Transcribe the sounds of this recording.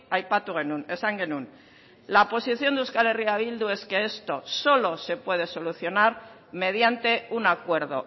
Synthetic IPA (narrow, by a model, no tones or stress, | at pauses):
ajpat̪uɣenunesaŋɡenun | lapo̞siθjo̞nd̪uskaleriaβ̞ild̪ue̞ske̞e̞st̪o̞so̞lo̞se̞pwe̞ð̞e̞soluθjo̞naɾ | me̞ð̞jant̪e̞unakwe̞ɾðo̞̰